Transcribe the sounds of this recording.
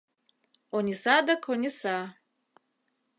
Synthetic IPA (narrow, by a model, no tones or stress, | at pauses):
onʲisad̪akʰonʲisa